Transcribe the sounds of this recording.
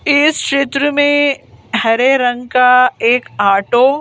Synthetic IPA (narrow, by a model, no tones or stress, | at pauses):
ɪskʃeːt̪ɾəmẽhɐɾeɾɐ̃ŋɡkaeːkaːʈoː